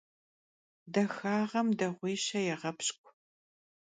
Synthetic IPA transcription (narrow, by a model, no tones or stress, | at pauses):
dɐxaːʁɐmdɐʁʷiːɕɐjɛʁɐpɕkʷʰʼ